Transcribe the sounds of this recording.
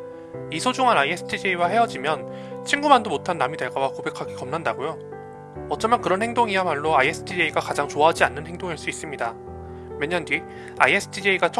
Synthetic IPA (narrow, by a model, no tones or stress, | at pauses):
isʰod͡ʑuŋanaiesʰɯ̥tʰid͡ʑeiwaɦe̞ʌd͡ʑimjʌn | t͡ɕʰiŋɡumandomotʰanːamide̞ɭɡawakobe̞kʰaɡikʌmnandaɡojo | ʌt̚t͡ɕ͈ʌmjʌnkɯɾʌnhe̞ŋdoŋiamaɭːoaiesʰɯ̥tʰid͡ʑeiɡakad͡ʑaŋt͡ɕoaɦad͡ʑianːɯnhe̞ŋdoŋaɭs͈uis͈ɯmɲida | mjeɲːʌnd͡ʑi | aiesʰɯ̥tʰid͡ʑeiɡat͡ɕʰ